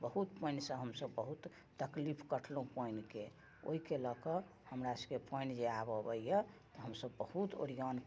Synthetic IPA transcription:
bəɦut̪pəɪnsə̃ɦəmsəbːəɦut̪ː | əklipʰkəʈʰlõpəɪnke | o̰ɦikeləkə | həmɾasəkepʰəjnd͡ʒeabəbəjjət̪ɔɦəmsəbːəhut̪o̰ɽijan

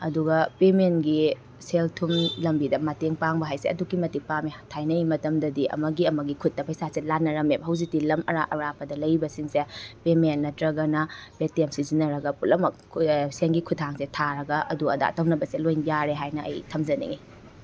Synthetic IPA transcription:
ɐduɡɐpemenɡi | seltʰumlɐmbidɐmɐteŋpaŋbɐɦajseɐ̰dukimɐtik̚pametʰajnɐjmɐtɐmdɐdiʔɐ̰mɐɡiɐmɐɡikʰut̚ːɐpʰɐjsaselanːɐɾɐmebɐɦɐwzik̚tilɐmɐɾaʔɐ̰ɾapɐdɐlɐjbɐsiŋsepemenːɐtɾɐɡɐnɐb̥etemsizinɐɾɐɡɐpulɐmɐkʰseŋɡikʰutʰːaŋsetʰaɾɐɡɐʔɐduɐ̰da̰tɐwnɐbɐselojnjaɾeɦajnɐʔɐ̰jtʰɐmd͡ʒɐnḭŋi

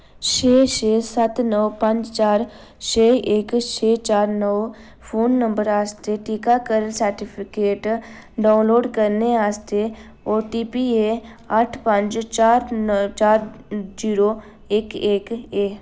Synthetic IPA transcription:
t͡ʃʰeːʃeːsət̪nəʋpə̃ɲd͡ʒt͡ʃaːɾ | t͡ʃʰeːeːkt͡ʃʰeːt͡ʃaːɾnəw | pʰoːnːə̃mbəɾaːst̪eʈikakəɾəlsəɾʈɪpʰɪkeːʈ | ɖaːnloːɖkəɾneaːst̪e | oːɾʈiːpiːeː | əʈʰpə̃ɲd͡ʒt͡ʃaːɾt͡ʃaːɾd͡ʒiːɾoː | eːkeːkeː

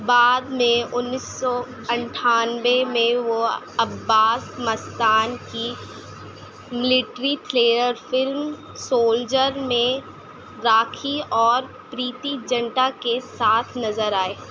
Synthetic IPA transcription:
baːd̪mẽʊnːɪsːɔ | ɐ̃ɳʈʰaːnʋemẽʋo | ɐbːaːsmɐst̪aːnki | mɪlɪʈɾiʈʰleːɾəɾfɪlm | soːld͡ʒəɾmẽ | ɾaːkʰiɔːɾ | pɾiːt̪id͡ʒɐ̃ɳʈakesaːt̪ʰnɐzəɾaːeː

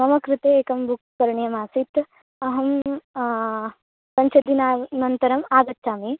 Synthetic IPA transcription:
mɐmɐkɾɪt̪eeːkɐmbukːɐɾɐɳjɐmaːsit̪ | ɐɦɐm | sɐɲt͡ʃɐd̪inaːnɐnt̪ɐɾɐmaːɡɐt̪ːʃaːmi

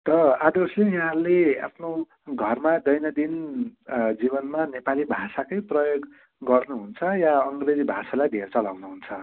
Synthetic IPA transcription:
t̪ʌad̪oslejaɦãɾlea̰pʰno | ɡʱʌrmad̪ʌjnʌd̪in | d͡zibʌnmanepalibʱasakʌjprʌjoɡ | ɡʌrnuɦunt͡sʰʌjaʌŋɡred͡zibʱasalajd̪ʱeɾt͡sʌlawnuɦunt͡sʰʌ

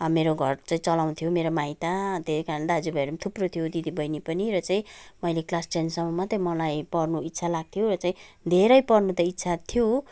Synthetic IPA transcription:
ʌmeɾoɡʱʌrt͡saĩt͡sʌlaw̃t̪ʰjomeɾomait̪at̪esikaɾʌnd̪aʌd͡zubʱeɾumt̪ʰuprot̪ʰijod̪id̪ibʌjnipʌniɾʌt͡saĩmʌjleklasʈensʌmʌmat̪ʌĩmʌlajpʌrnuit̪ːsʰalaɡ̚t̪ʰijorʌt͡saĩ | d̪ʱeɾʌjpʌrnut̪ʌit̪ːsʰat̪ʰijo

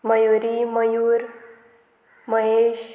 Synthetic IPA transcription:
məjuɾiməjuːɾ | məɦeɕ

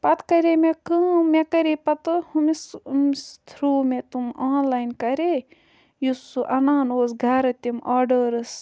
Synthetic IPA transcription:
pɐt̪ʰkɐɾemekɨmekɐɾepɐt̪ɨhumismst̪ʰɾuːmet̪umaːnlaːjnkɐɾe | jusuʔɐnaːnoːsɡʱɐɾɨt̪imaːɖəɾɨs

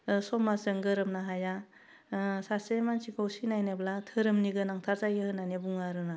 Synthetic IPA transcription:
sɔmasɯŋɡɯɾɯmnaɦaja | sasemansikʰawsinajnɯblatʰɯɾɯmniɡɯnaŋtʰaɾzajɯhɯnanebuŋaɾɯna

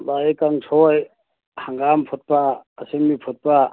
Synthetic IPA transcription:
baekaŋtʰɔj | haŋɡampʰɔt̪̚paːsembipʰɔt̪̚pa

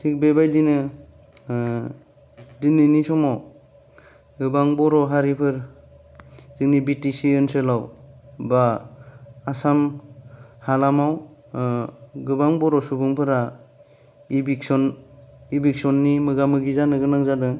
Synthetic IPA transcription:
tʰik̚bebajdinɯ | dinɯnisɔmaw | ɡɯbaŋbɔɾɔɦaɾipʰɯɾ | zɯŋnibitisiɯnsɯlawba | asam | halamaw | ɡɯbaŋbɔɾɔsubɯŋpʰɯɾa | ibiksɔnibik̚sɔnːimɯɡamɯɡizanɯɡɯnaŋzadɯ

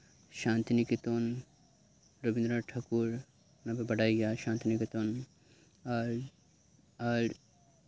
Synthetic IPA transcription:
ʃãːnt̪inikit̪on | ɾobĩnd̪ɾaʈʰaːkuɾ | napebɐɽaːiɡjaʃãːnt̪inikit̪on | ɾ | ɐɾ

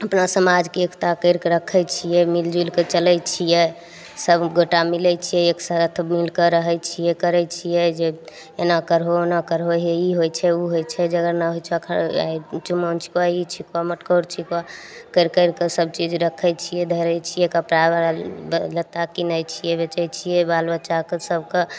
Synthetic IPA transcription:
əpnasəmad͡ʒkeekʰt̪akəɾkɾəkʰɛjt͡ʃʰijɛmild͡ʒilket͡ʃəlɛjt͡ʃʰijɛ | səbɡoʈamilɛjt͡ʃʰijɛeksaɾət̪ʰəbmilkəɾəɦət͡ʃʰijɛkəɾɛt͡ʃʰijɛd͡ʒe | enakəɾɦonakəɾɦoɦeiɦojt͡ʃʰɛuɦojt͡ʃʰɛd͡ʒeəɡəɾnaɦojt͡ʃʰəkʰə̰ɾa̰t͡ʃumont͡ʃʰi̥kait͡ʃʰikoaməʈkəɾt͡ʃʰika | kəɪɾkəɾkesəb̚t͡ʃid͡ʒɾəkʰɛt͡ʃʰijɛd̪ʱəɾɛt͡ʃʰijɛkəpɾa | lət̪akinəjt͡ʃʰijɛbet͡ʃɛjt͡ʃʰijɛbalbət͡ʃakesəb̚ʱke

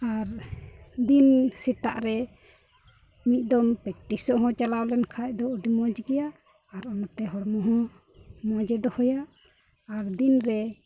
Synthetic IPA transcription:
aɾ | d̪insit̪a̰ʔɾɛ | mit̪̚ˀd̪ɔmpɛk̚ʈisɔʔɦɔ̃t͡ʃalawlɛnkʰaʔ̚d̪ɔuɖimɔd͡ʒɡɛjaʔ | aɾɔnɔt̪ɛɦɔɽmɔɦɔ̃ | mɔd͡ʒɛd̪ɔhɔjaʔ | aɾd̪inɾɛ

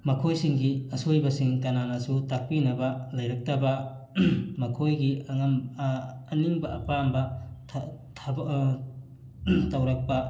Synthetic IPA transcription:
mɐkʰojsiŋɡiɐsojbɐsiŋkɐnanɐsutak̚pinɐbɐlɐjɾɐk̚tɐbɐ | mɐkʰojɡiɐŋɐm | ɐniŋbɐɐpambɐtʰtʰɐb | tɐwɾɐk̚pɐ

